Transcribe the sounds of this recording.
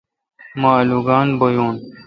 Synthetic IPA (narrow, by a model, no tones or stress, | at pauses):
maːluːɡɑːnbɐjuːn